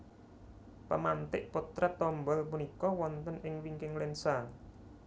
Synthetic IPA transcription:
pəmant̪ɪʔput̪ɾat̪ːɔmbɔlpunikɔwɔnt̪ənʔɪŋwiŋkɪŋlensa

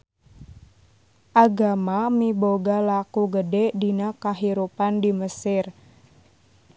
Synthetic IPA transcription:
ʔaɡamamiboɡalakuɡədɛdinakaɦiɾupandiməsɪr

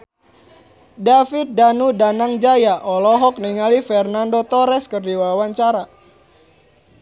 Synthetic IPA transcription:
dafit̪̚danudanaŋd͡ʒajaʔɔlɔɦɔk̚niŋalifɛrnandot̪ɔɾɛskərdiwawaɲt͡ʃaɾa

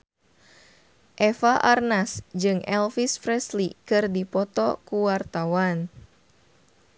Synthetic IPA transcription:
ʔɛfaʔarnasd͡ʒɨŋɛlfisfɾɛslikɨrdipɔt̪ɔkuwart̪awan

